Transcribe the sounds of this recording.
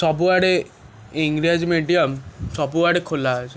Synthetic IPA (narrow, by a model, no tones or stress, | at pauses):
sɔbuaɽe | eŋɡɾiad͡ʒmeɖijamsɔbuaɽekʰolad͡ʒʰ